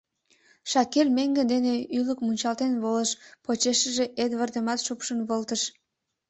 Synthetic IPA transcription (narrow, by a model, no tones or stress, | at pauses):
ʃɑkelʲmeŋɡənd̪eneyləkmunʲt͡ɕɑlt̪enβoləʃpot͡ɕeʃəʒeʔed̪βərt̪əmɑt̪ʃupʃənβəlt̪əʃ